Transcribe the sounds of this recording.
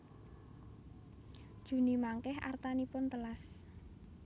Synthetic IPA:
d̥ʒ̥ṳnimaŋkɛɦa̰rt̪anipʊnt̪əlas

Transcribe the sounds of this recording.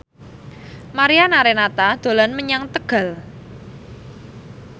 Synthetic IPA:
maɾianaɾenat̪ad̪̥o̤lanməɲaŋt̪əɡ̥a̤l

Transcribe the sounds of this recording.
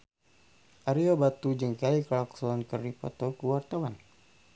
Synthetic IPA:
ʔaɾiobat̪ud͡ʒəŋkaiklaksɔɔnkəripɔ̰t̪okuwart̪awan

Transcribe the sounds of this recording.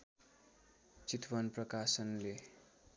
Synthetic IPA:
t͡sit̪ʰwʌnprʌkasʌnle

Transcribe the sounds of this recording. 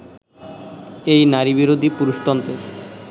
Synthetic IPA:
ejnaɾibiɾod̪ʱipuɾuʃʈɔnt̪eɾ

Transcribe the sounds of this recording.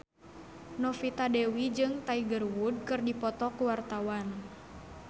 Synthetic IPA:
nɔfit̪adɛwid͡ʒɨŋt̪aiɡərwud̚kɨrdipɔt̪ɔkuwart̪awan

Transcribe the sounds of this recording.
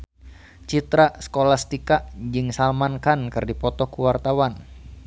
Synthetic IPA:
t͡ʃit̪ɾasə̥kolast̪ikaʔd͡ʒɨŋsalmankankɨrdipɔt̪ɔkuwart̪awan

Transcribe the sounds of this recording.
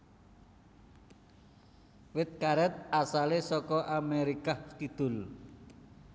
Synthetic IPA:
wɪt̪̚kaɾɛt̪̚asalesɔkɔʔameɾikaht̪id̪̥ʊ̤l

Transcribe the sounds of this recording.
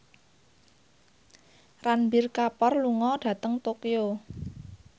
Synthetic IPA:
ranbirkapɔrluŋɔɖ̥ä̤t̪əŋt̪okijo

